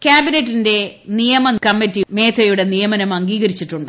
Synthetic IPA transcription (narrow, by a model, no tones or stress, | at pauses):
kʲjaːbinetːinde̞nijɐmɐkɐmːitːime̞ːt̪ʰɐjuɽe̞nijɐmɐnɐmɐŋɡiːɣɐɾit͡ɕːiʈːuɳɖɨ